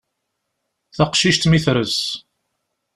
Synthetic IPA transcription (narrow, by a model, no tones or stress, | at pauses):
θaqʃiʃt̪miθɾəs